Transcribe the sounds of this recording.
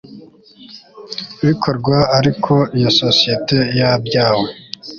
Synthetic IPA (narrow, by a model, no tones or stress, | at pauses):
βikʰoɾɡwaaɾikʰo̞ijososijetʰejabjaːwo